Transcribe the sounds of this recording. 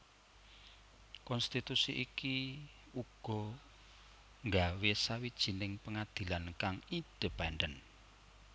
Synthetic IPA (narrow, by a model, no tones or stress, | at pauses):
kɔnst̪it̪usiʔiki | uɡ̥ɔ̤ | ŋɡawesawid̥ʒ̥i̤nɪŋpəŋad̪̥i̤lankaŋid̥ə̤banɖən